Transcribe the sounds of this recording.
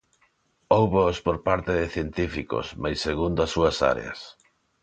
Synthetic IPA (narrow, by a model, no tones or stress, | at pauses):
owβoospoɾpaɾt̪eðɪθjent̪ifiko̰smajsːeɣund̪ʊasːuɐsa̰ɾḛɐ̰s